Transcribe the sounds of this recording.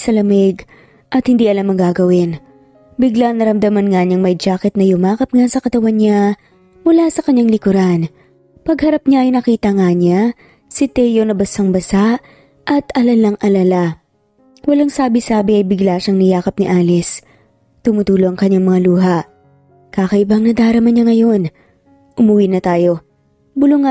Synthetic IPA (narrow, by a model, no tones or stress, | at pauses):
sɐlɐmɛɡ | ʔɐt̪hɪnd̪iːʔɐlamɐŋɡaɡɐwɪn | bɪɡlanɐɾɐmd̪ɐmɐnŋaɲɐŋmɐjd͡ʒaːkɛt̪̚nɐjʊmaːkɐp̚ŋasɐkɐt̪ɐwanɲa | mʊlasɐkɐɲːaŋlɪkʊɾan | pɐɡhɐɾap̚ɲaʔɐjnɐkiːt̪ɐŋaɲa | sɪt̪ɛjonɐbɐsaŋbɐsaʔ | ʔɐt̪ɐlɐlaŋʔɐlɐla | wɐlaŋsaːbɪsaːbɪʔɐjbɪɡlaʃɐŋnɪjaːkɐp̚nɪʔaːlɛs | t̪ʊmʊt̪uːloʔɐŋkɐɲːaŋmɐŋaluːɦɐʔ | kaːkɐʔɪbaŋnɐd̪aːɾɐmɐɲɲaŋɐjo̞n | ʔʊmʊwinɐt̪aːjo̞ | bʊlʊŋa